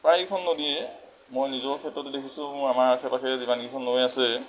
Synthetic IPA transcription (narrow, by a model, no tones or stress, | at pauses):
pɹajikʰɔnːodiɛ | mojnizɔɹkʰɛtːɹɔtʊdekʰisʊ̃mʊamaɹkʰɛpakʰɛzibanɡikʰɔnːoejasɛ